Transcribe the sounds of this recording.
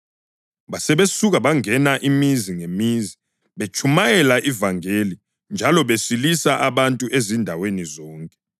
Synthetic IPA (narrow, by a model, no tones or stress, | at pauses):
ɓasɛɓesuɣaɓaŋɛnaʔimiziŋemizi | ɓet͡ʃʰumajɛlaʔivaŋeli | nd͡ʒʱalɔɓesilisaʔaɓantʼuʔezindʱawenizɔːŋkʼɛ